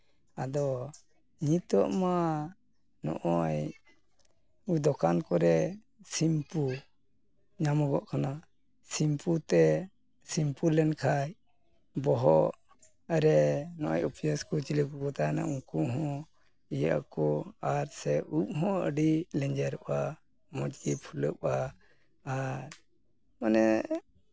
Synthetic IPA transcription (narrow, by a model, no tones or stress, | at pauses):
ad̪ɔ | ɲit̪ɔʔma | nɔ̰ʔɔj | ud̪ɔkankɔɾɛ | simpu | ɲamɔɡɔʔkʰana | simput̪ɛ | simpulɛnkʰaj | bɔɦɔʔ | əɾɛnɔʔɔjɔpijɔskɔt͡ʃiləkukɔt̪ajna̰ʔuŋkuʔɦɔ̃ | ija̰ʔkɔaɾsɛʔup̚ɦɔ̃ə̰ɖilɛɲd͡ʒɛɾɔʔa | mɔd͡ʒɡipʰuləʔaː | ɾ | manɛ